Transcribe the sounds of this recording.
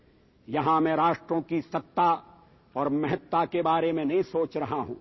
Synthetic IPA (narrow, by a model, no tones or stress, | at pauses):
jɐɦãmɛ̃ːɾaːʃʈɾõkisɐt̪ːa | ɔːɾmɐɦɛt̪ːakebaːɾemẽnɐɦĩsoːt͡ʃɾɐɦaɦṵ̃ː